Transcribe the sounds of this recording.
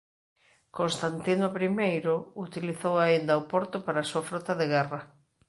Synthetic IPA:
kõnst̪ant̪inopɾimejɾʊut̪iliθowaind̪aopɔɾt̪ʊpaɾaːsuafɾɔt̪aðeɣɛrɐ

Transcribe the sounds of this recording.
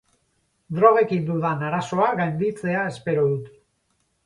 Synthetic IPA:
d̪ɾo̞ɣ̞e̞kind̪uðanaɾaso̞aɣajnd̪it͡se̞ae̞spe̞ɾo̞ðut̪

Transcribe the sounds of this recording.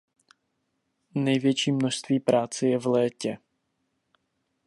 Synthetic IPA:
nɛjvjɛt͡ʃiːmnoʃst̪viːpɾaːt͡sɛjɛvlɛːcɛ

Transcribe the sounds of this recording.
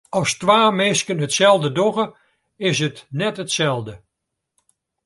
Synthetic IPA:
ɑstʋaːmɪskənɦətsɛlˠdədɔɣə | ɪsɦətnɛtɦətsɛlˠdə

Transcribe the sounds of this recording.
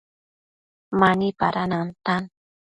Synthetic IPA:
manipaɾanant̪an

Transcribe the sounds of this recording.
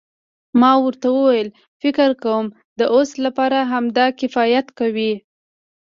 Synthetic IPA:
mɑwəɾt̪awəwajəl | fɪkɪɾkawəm | d̪əʔoslapɑɾaɦamd̪ɑkɪfɑjat̪kawi

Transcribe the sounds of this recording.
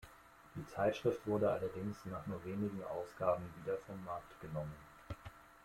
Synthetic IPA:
d̥iːt͡saɪtʃʁ̥ɪftv̥ʊɐɾəʔa̰lɐdɪŋsnaːχnuːɐveːnɪɡŋ̩ʔa̰ʊsɡ̥aːbm̩viːdɐfɔmːaɐktɡ̥ənɔmən

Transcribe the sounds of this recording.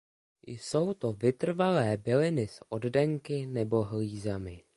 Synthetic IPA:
jso̞wt̪o̞vɪt̪r̩valɛːbɪlɪnɪsʔo̞ddɛŋkɪnɛbo̞ɦliːzamɪ

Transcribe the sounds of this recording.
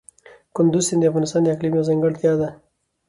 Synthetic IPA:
kʊnd̪uzsɪnd̪iafɣɑːnɪst̪ɑːnd̪aklimjawzaŋɡaɽt̪jɑd̪a

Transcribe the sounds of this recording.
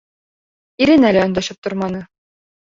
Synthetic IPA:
iɾɘnælæɒ̆nd̪ɑʃɤp̚t̪ŏɾmɑnɤ

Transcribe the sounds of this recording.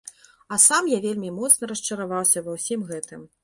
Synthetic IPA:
ɐsamjavʲelʲmʲimɔt̪snɐɾɐʂt͡ʂɐɾavawsʲɐvɐwsʲimɣɛt̪ɨm

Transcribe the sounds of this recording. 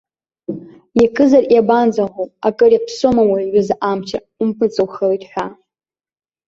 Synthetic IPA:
jakʰɨzarjaband͡zaʁʷowakʼɨɾjapʰsomawaɥɪzʔamt͡ʃʰa | umpʰɨt͡sʼɨwχalejtʼħʷᶣa

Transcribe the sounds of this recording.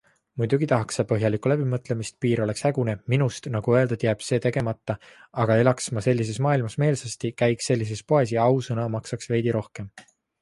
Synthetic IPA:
mujd̪uɡ̥it̪ɑɦɑksɑpɤɦjɑlikːˑulæbimɤt̪ːˑle̞mist̪̚piːɾo̞le̞kshæɡ̥une̞minust̪nɑɡ̥uøld̪ed̪̥jæːb̥se̞ːt̪e̞ɡ̥emɑt̪ːɑɑɡ̥ɑelɑksmɑse̞lʲːis̬e̞smɑːilmɑsme̞ːlsɑst̪ikæjkse̞lʲːis̬e̞spoes̬iɑwsɤnɑmɑksɑksve̞jd̪̥iɾo̞hke̞m

